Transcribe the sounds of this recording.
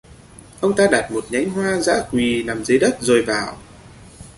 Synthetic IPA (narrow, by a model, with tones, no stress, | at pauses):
ʔə˧wŋ͡mt̪aː˧ɗaː˨˩t̚mo˨˩t̚ɲa˨˦jŋ̟ɦwaː˧za̰ː˧˥kwi˨˩naː˨˩mzə˨˦jɗə˦˥t̚zo˨˩jvaː˨˩w